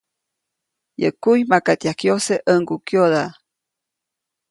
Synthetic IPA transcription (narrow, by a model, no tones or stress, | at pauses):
jə̰kujmakat̪jakjoseʔəŋɡukjoða